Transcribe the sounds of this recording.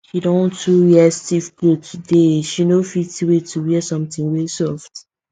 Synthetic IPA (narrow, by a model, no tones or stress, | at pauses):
ʃidɔ̃ntʰuwɛstifɡutʰudeʃinofitiwetʰuwisɔ̃mtĩŋwɛsɔft